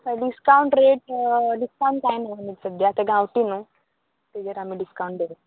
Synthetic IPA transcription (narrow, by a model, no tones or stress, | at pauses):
aɖiskawɳʈɾeːʈɖiskaw̃ɳʈ̪ainũmisɐd̪ʱjaːt̪eɡãwʈinũ | t̪ed͡ʒɐɾamiɖiskaũɳʈde